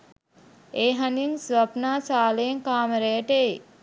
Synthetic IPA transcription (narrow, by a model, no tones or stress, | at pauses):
eːɦaninsʋapnaːsaːlejeŋkaːməɾeːʈe